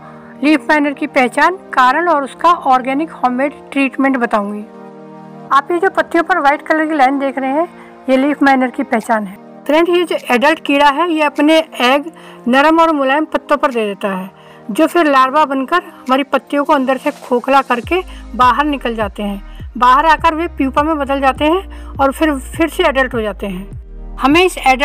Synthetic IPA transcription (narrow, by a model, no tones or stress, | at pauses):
liːpʰmɛːnəɾkipɛɦt͡ʃaːnkaːɾəɽɔːɾʊskaʔɔːɾɡɛːnɪkhɔːmeːɖʈɾiːʈmẽɳʈbɐt̪aːũːŋɡiː | aːpjed͡ʒoːpɐt̪ːijõpɐɾʋaːɪʈkɐləɾilaːɪnd̪eːkʰɾɐɦeɦɛ̃ | jeliːpʰmɛːnəɾkipɛɦt͡ʃaːnɦɛː | t̪ɾɛ̃ɳɖjed͡ʒoːʔɛːɖəlʈkiːɾaɦɛjeɐpneɛːɡ | nɐɾəmɔːɾmʊlaːɪmpɐt̪ːõpɐɾd̪eːd̪eːt̪aɦɛː | d͡ʒoːfʰɪɾlaːɾbabɐnkəɾɦɐmaːɾipɐt̪ːijõkoɐ̃nd̪əɾsekʰoːkʰlakɐɾkebaːɦəɾnɪkəld͡ʒaːt̪eɦɛ̃ːbaːɦəɾaːkəɾʋepjuːpamẽbɐd̪əld͡ʒaːt̪eɦɛ̃ | ɔːɾfʰɪɾpʰɪɾseɛːɖəlʈɦod͡ʒaːt̪eɦɛ̃ː | hɐmẽɪsɛːɖə